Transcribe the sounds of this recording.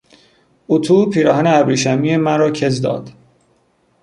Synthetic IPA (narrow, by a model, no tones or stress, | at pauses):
ut̪ʰuːpʰiːɾɒːɦæneæbɾiːʃæmiːemæɾɒːcʰe̞zd̪ɒ̰ːd̪̥